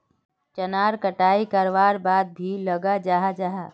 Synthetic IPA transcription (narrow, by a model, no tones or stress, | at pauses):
t͡ʃənaːɾkəʈaːikəɾʋaːɾbaːd̪̚bʱiləɡad͡ʒaːɦad͡ʒaːɦaː